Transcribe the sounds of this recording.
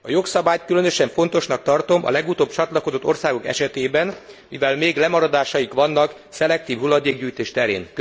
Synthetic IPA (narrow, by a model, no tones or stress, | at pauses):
ɒjo̞ksɒbaːjt̪̚kylø̞nøʃɛɱfo̞n̪t̪o̞ʃnɒk̚t̪ɒrt̪o̞mʔɒ̰lɛɡut̪oːbt͡ʃɒt̪lɒkod̪o̞t̪ːo̞rsaːɡo̞kɛ̰ʃɛt̪eːbɛn | mivɛlmeːɡlɛmɒɾɒd̪aːʃɒjikʋɒnːɒk | sɛlɛk̚t̪iːvɦulːɒd̪eːɡ̚ɟyːjt̪eːʃt̪ɛɾḛːn